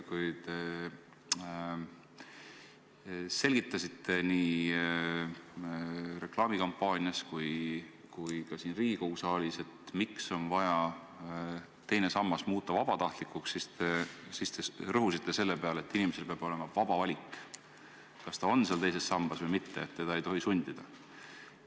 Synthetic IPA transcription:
kujt̪e̞ | se̞lʲɡ̥it̪ːˑɑsʲit̪ːe̞niː | re̞klɑːmikɑmpːˑɑːnʲiɑskuj | kujkɑsiːnriːɡ̥ikowsɑːlʲise̞t̪mikso̞nvɑjɑ | t̪e̞jne̞sɑmːɑsmuːt̪ːˑɑvɑb̥ɑt̪ɑht̪likːˑukssist̪esist̪erɤɦusit̪ːe̞se̞lːepe̞ɑleet̪ːˑinime̞selpeɑb̥o̞le̞mɑvɑb̥ɑvɑlʲik | kɑst̪ɑo̞nseɑlt̪e̞js̬e̞sːɑmb̥ɑsvɤjmit̪ːe̞ːt̪ːed̥̪ɑejt̪o̞ɦisunʲd̪̥id̪̥ɑ

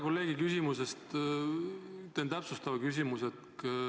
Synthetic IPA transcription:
ko̞lːe̞ːɡ̥ikysʲimusest̪ | t̪ent̪æpsust̪ɑvɑkys̬imuset̪

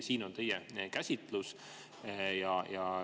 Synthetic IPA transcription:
siːno̞nt̪e̞jɛkæsʲit̪ˑlus | jɑjɑ

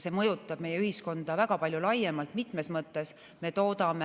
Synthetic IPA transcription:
se̞ːmɤjut̪ːˑɑb̥mejːeyhisko̞nd̪̥ɑvækɑpɑlʲjulɑjːemɑlt̪mit̪me̞smɤt̪ːˑe̞s | me̞t̪o̞ːd̪ɑme

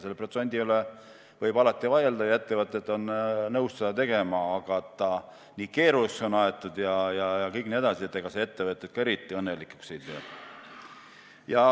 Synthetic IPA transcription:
se̞lːepro̞t̪senʲd̪iyle | vɤjbɑlɑt̪ːˑivɑjeld̪ɑjɑe̞t̪ːevɤt̪ːˑet̪ːˑo̞nnɤwssed̪ɑt̪e̞ɡ̥e̞mɑːɡ̥ɑet̪ːɑ | niːke̞ːɾusonɑet̪ˑːud̪jɑjɑjɑkɤjk̚nie̞d̪ɑsiet̪ːeɡ̥ɑseet̪ːevɤt̪ːˑet̪̚kɑe̞ɾit̪ːˑiɤnːelikːˑu̥ksejt̪eː | jɑ

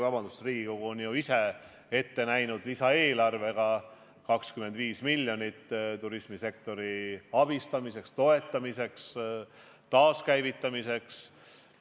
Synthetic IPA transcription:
vɑb̥ɑnd̪usriːɡ̥iko̞ɡ̥uonjuise̞ | e̞t̪ːe̞næjnud̪̥lisɑeːlɑrve̞ɡ̥ɑ | kɑkskyme̞nd̪viːsmilːjonit̪ːt̪uɾismise̞kt̪o̞ɾiɑb̥ist̪ɑmise̞kst̪o̞e̞t̪ːˑɑmise̞ks | t̪ɑːskæjvit̪ːˑɑmise̞ks

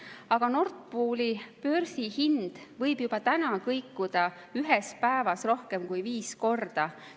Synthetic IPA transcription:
ɑɡ̥ɑno̞rt̪̚puːlipø̞rsihind̪̥vɤjbjub̥ɑt̪ænɑkɤjkːˑud̪̥ɑ | yɦespæevɑsro̞hke̞mkujviːsko̞rd̪̥ɑ

